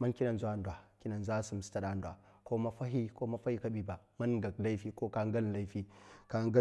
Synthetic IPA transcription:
ma˦nki˦na˨nzu˦a˦ndwa˨ki˦na˨nza˦su˨m˨sta˦˨ɗa˨ndwa˨ | ko˦ma˦fa˦ɦi˦ko˦ma˦fa˦i˦ka˦bi˦ba˨ | ma˦nɡa˨k̚la˦fi˦ko˦ka˦ŋ˦ɡa˦n˨la˦i˦fi˦ka˦ŋɡa˦

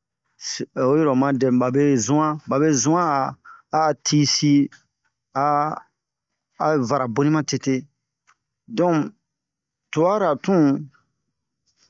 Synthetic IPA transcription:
so˦je˦ɾɔ˨mã˧dɛ̃˨m˨ba˨be˦zũ˦ã˦ba˨be˦zũ˦ã˦aː˨˦ | tʰi˦si˦ | a˦˨ | va˨ɾa˨bo˦nĩ˦mã˦te˧te˦ | dɔ̃˨ | tu˨a˦ɾa˨tũ˦

